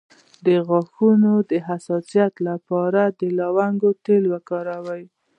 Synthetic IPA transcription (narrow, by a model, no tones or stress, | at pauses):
d̪əɣɑxunod̪əɦasɑsijat̪lapɑɾad̪əlɑwaŋɡot̪elwakɑɾawaj